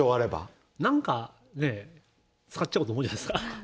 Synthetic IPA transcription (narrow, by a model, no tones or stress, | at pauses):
oaɾe̞ba̰ | nãŋka | ne̞ | t͡sɨ̥kat͡ɕːt͡ɕaɯ̟t̪omoɯ̟ːd͡ʑanaisɨ̥ka